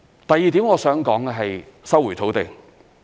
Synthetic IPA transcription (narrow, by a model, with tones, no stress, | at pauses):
t̪ɐ˨jːiː˨t̪̬iː˨˥mŋɔː˨˧sœː˨˥ŋkɔː˨˥ŋɛː˧ɦɐ˨jsɐ˥wu˨˩t̪ʰo˨˥wt̪e˨ŋ